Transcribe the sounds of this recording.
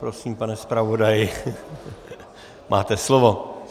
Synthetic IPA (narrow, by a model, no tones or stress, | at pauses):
pɾosiːmpanɛspɾavodajɪ | mʔa̰ːt̪ɛslovo